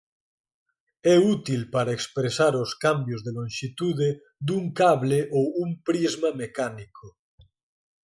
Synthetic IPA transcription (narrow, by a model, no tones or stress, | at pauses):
ɛut̪ilpaɾaekspɾesaɾoskambjozðelõnʃit̪uðe | d̪uŋkaβleʔoumpɾizmamekanikʰo